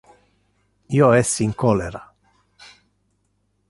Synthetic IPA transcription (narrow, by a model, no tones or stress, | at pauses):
ioɛsːiːŋkɔleɾa